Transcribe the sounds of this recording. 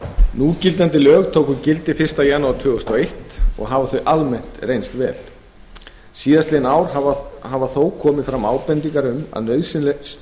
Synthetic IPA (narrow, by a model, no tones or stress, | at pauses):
nuːcɪlt̪ant̪ɪlœːɣt̪ʰowkʏɾcɪlt̪ɪfɪrst̪ajanːuwaɾt̪ʰʏːɣʏst̪ɔejht̪ɔ̰ɣɦaːvaθœɥʔalmɛn̥t̪rejnst̪vɛ̰ːl | siːðast̪lɪnaːwɾ̥havaθowkʰɔːmɪfɾamaːwpɛnt̪iŋkaɾʏma̰ðnœːɥsɪnlɛs